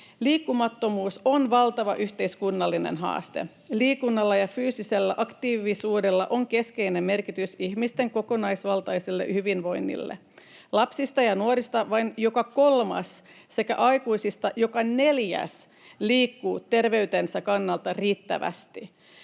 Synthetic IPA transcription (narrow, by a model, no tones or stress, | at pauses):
liːkːumɑt̪ːo̞muːso̞nʋɑlt̪ɑʋɑʔyht̪e̞iskunːɑlːine̞̰nɦɑ̰ːst̪e̞̰ | liːkunːɑlːɑjɑfyːsise̞lːæʔɑkt̪iːʋisuːde̞lːɑ̰ʔo̞ŋke̞ske̞jne̞mme̞rkit̪ysiçmist̪e̞ŋko̞ko̞nɑjsʋɑlt̪ɑjsilːe̞̰ʔhyʋinʋo̞jnːḭlːḛ | lɑpsist̪ɑjɑnuoɾist̪ɑʋɑinjo̞kɑko̞lmɑ̰s | se̞kæ̰ʔɑjkuisist̪ɑjo̞kɑne̞ljæ̰s | liːkːuːt̪e̞rʋe̞yt̪e̞nsækɑnːɑlt̪ɑriːt̪ːæ̰ʋæ̰st̪i